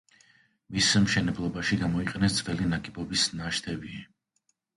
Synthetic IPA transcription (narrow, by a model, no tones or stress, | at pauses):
mismʃɛnɛblˠɔbaʃiɡamɔiqʼɛnɛsd̪zvɛlinakʼibɔbisnaʃt̪ʰɛbi